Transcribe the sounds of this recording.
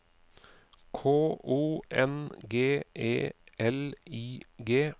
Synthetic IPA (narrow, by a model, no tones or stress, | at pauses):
kʰoːʔuːʔɛ̰nɡeːʔḛːʔɛliːɡeː